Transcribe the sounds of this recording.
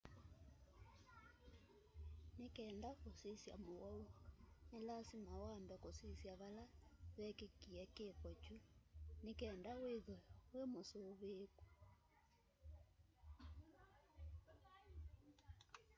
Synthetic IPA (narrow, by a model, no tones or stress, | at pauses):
nekɛːndakosisja̰moɣɔunelasimawambɛkosisjaβalaβɛkekiɛkekɔt͡ʃunekɛːndaweðɔwemosoβeːku